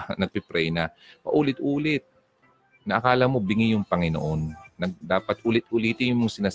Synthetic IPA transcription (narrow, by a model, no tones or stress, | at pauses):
nɐɡ̚pɪpɾɛjnɐ | pɐ̰ʔuːlɪt̪ʔuːlɪt̪̚ | nɐʔɐkaːlɐmobɪŋɪjʊŋpɐŋɪno̰ʔonːɐɡ̚d̪aːpɐt̪ʔʊlɪt̪̚ʔʊliːt̪ɪnjʊŋmoŋsɪnaːs